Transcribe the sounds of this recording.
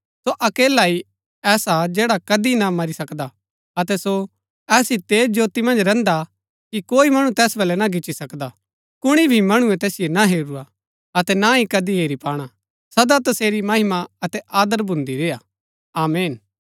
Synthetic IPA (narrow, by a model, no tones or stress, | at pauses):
soʔɐkeːlai | ɛːsad͡ʒɛːɽakɐd̪inamɐɾisɐkd̪a | ɐt̪ɛso | ɛːsit̪ed͡ʒoːt̪imɐ̃nd͡ʒɾɛ̃nd̪a | kikoːimɐɽ̃ũt̪ɛːsbɛlɛnaɡɪt͡ʃːisɐkd̪a | kʊɽ̃ibʱimɐɽ̃uɛ̃t̪ɛːsɪjenaɦeːɾua | ɐt̪ɛnaɦikɐd̪iɦeːɾipaːɽ̃a | sɐd̪at̪ɐseːɾimɐɦɪmaɐt̪ɛʔaːd̪əɾbʱʊ̃nd̪iɾeːa | aːmeːn